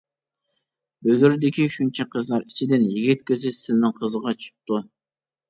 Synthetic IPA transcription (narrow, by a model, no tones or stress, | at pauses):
bøɡʲyɾd̪ɪkʲiʃunt͡ʃʰɑqʰəzlˠɑɾit͡ʃʰɪd̪ɪnjiɡʲit̪̚kʲʰøzɪsɪnːɪŋqʰəzəʁɑt͡ʃʰu̥q̚t̪ːu